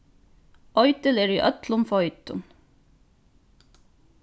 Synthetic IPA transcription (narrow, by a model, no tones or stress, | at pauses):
ɔʏt̪əleːɹiːʔœt̪lʊmfɔʏt̪ʊn